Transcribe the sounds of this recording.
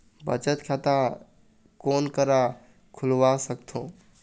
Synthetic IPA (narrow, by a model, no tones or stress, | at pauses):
bət͡ʃət̪kʰat̪a | konkəɾa | kʰulwasəkt̪ʰõ